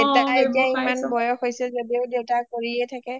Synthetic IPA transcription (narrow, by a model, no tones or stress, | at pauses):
etaaetiaimanbɔjɔxojsɛzodieʊdewtakoɹiɛtʰakɛ